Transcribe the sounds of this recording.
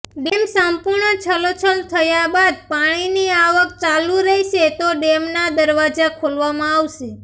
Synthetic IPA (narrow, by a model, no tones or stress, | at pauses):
ɖemsəmpuɾɳət͡ʃʰəlot͡ʃʰəlt̪ʰəjabad̪̚paɽ̃iniaʋək̚t͡ʃaluɾəɦiʃet̪oɖemnad̪əɾʋad͡ʒakʰolʋamãaʋʃe